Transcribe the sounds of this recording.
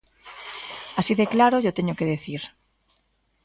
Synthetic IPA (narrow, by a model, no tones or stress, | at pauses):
asiðeklaɾoʝot̪eɲokeðeθiɾ